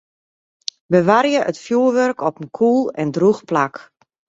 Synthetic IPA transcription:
bəʋaɾjəʔətfjuːəʋørkɔpənkʰuːlˠɛndruxplak

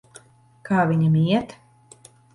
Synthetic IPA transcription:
kʰaːvʲiɲamiɛt̪

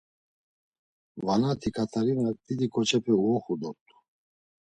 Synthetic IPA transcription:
vanat̪ʰikʰat̪ʰaɾinat̪ʼid̪ikʰɔt͡ʃʰɛpʰɛuɔχud̪ɔt̪ʼu̥

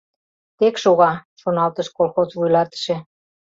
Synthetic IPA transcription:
t̪ekʃoɣɑʃonɑlt̪əʃkolxozβujlɑt̪ə̥ʃĕ

